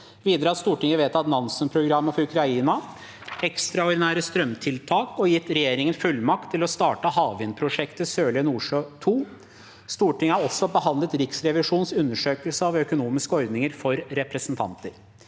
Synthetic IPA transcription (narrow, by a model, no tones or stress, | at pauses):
ʋiːd̪ɾəhɑst̪uːʈɪŋəʋeːt̪ɑt̪nɑnsənpʰɾʊɡɾɑmːəfɔɾʉkʰɾɑiːnɑ | ɛkst̪ɾɑɔɖɪnæːɾəst̪ɾœmt̪ʰɪlt̪ʰɑːkɔjɪt̪ːɾɛjeːɾɪŋənfʉlmɑkt̪ʰːɪlɔst̪ɑːʈəhɑːʋɪnpʰɾʊʂɛkt̪əsøːɭɪənuːʂøːt̪ʰuː | st̪uːʈɪŋəɑɾɔsːɔbəhɑnlət̪ɾɪksɾɛʋɪʂuːnsʉnːəʂøːkəlsəɑʋœkʊnuːmɪskəɔɾd̪nɪŋəɾfɔɾɾɛpɾəsnt̪ʰɑ̰nt̪əɾ